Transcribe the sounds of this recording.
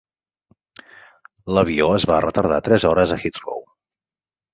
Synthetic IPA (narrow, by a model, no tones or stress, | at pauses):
ləβioəzβarət̪əɾð̞at̪ɾɛzɔɾəzəxit̪ro̰w